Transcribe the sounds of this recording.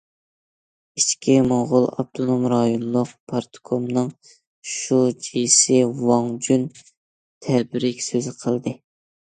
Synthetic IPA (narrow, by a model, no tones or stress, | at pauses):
it͡ʃkʲʰimoʁʊlˠɑ̰b̚t̪ʰonomɾɑjonlˠʊq̚pʰɑɾt̪ʰkʰomnɨŋ | ʃud͡ʒijsɪwɑŋd͡ʒyn | t̪ʰɛbɪɾɪkʲsøzɪqʰəlˠd̪ɨ